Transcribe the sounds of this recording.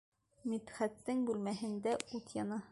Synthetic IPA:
mit̪χæt̪ːɘŋbʉlmæɦɘ̆nd̪æut̪jɑnɑ

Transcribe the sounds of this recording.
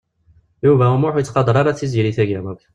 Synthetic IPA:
juvæumuħujət͡sːqɑd̪ˤɾˤɑɾˤæt͡sːizjɾiθæɡæmuk

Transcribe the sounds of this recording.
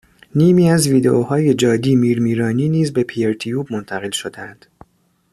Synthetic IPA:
niːmiːæzviːd̪e̞ʔoːhɒːje̞d͡ʒɒːd̪iːmiːɾmiːɾɒːniːniːzbe̞pʰieɾt̪ʰijuːbmo̞nt̪ʰæɣe̞lʃod̪eænd̪̥

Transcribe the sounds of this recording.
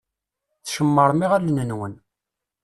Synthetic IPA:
θʃəmːəɾˤmiʁælnənwən

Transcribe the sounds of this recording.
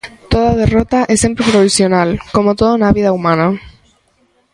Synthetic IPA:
t̪oðaðe̞rot̪aʔesempɾepɾoβisjo̞nalko̞mot̪oðounaβiðaumãna

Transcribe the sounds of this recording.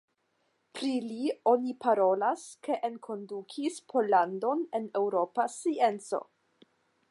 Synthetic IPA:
pɾilio̞nipʰaɾo̞laske̞ʔenkʰo̞ndukʰispʰo̞lando̞ne̞ne̞wɾo̞pasie̞nt͡so̞̰

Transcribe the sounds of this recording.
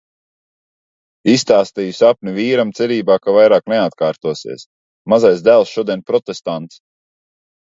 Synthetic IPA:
ist̪aːst̪iːjusapnʲiviːɾamt̪sɛɾʲiːbaːkavajɾaːknɛat̪kaːɾt̪uɔsḭɛs | mazajzd̪ælˠsʃuɔd̪iɛnpɾɔt̪est̪ant̪s

